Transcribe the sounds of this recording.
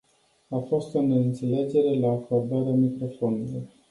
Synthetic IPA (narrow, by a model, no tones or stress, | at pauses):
afo̞st̪o̞neɨnt̪se̞le̞d͡ʒe̞ɾe̞laːkord̪aɾeamikɾo̞fo̞nulor